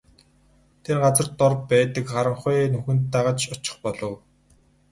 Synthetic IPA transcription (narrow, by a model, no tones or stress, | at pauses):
t̪ʰerɢat͡sə̆rt̪ːɔrppːæːt̪ə̆kχaɾə̆ɴχʊjnɵxɵ̆nt̪ːaʁə̆t͡ɕʊt͡ɕɪ̥̆χpɔɮɞ̆w